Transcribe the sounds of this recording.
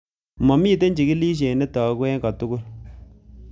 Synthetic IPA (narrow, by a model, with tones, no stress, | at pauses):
mɔ˨mi˦t̬e˦ɲd͡ʒi˨ki˦liː˦ʃ̬e˨ne˦tɔ˨˦kwɛ˦ŋɡɔ˨tʊ˦kʊ˦l